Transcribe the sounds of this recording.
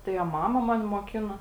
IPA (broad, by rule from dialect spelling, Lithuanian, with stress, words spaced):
tɐɪ ɐ ˈmɑːmɐ ˈmɑːnʲɪ moːˈkʲɪnoː